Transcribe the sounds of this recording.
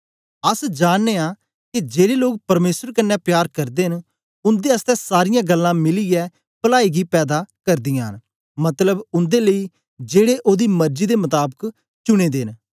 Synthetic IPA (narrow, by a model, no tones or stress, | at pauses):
əsd͡ʒaːnneːaː | kid͡ʒeːɽeːloːk̚pəɾmeːsəɾkənːɛːpjaːɾkəɾd̪eːɦən | ʊnd̪eːəst̪ɛːsaːɾɪjãːɡəlːãːmɪliːɡɛː | pəlaːiːɡiːpɛːd̪aːkəɾd̪ɪjãːɦən | mɐt̪ləbʊnd̪eːləiː | d͡ʒeːɽeːʔoːd̪iːməɾd͡ʒiːd̪eːmət̪aːbək | t͡ʃʊɽ̃eːd̪eːn